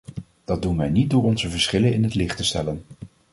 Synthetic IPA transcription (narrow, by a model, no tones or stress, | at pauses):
d̥ɑd̚dunʋɛjnit̚dʊːɹɔnzəvəɹsχɪlənɪnɦətlɪχtəstɛ̰lən